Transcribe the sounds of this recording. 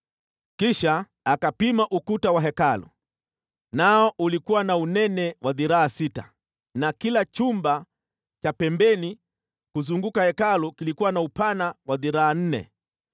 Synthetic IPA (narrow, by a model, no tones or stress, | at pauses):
kiʃaː | kapimaʔukutawaɦɛkalṵ | naɔʔulikuwanaunɛnɛwʔaðiɾaasita̰ | nakilat͡ʃumba | t͡ʃapɛmbɛni | kuzuŋɡukahɛkalukilikuwanaupanawaðiɾaːn̩nɛ̰